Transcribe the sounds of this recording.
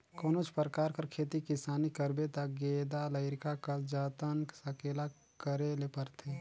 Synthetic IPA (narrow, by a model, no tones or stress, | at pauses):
koːnot͡ʃʰpəɾəkaːɾkəɾkʰeːt̪ikɪsaːnikəɾbet̪aɡeːd̪aləɪɾɪkakad͡ʒaːt̪ənksɐkeːla | kəɾelepəɾt̪ʰe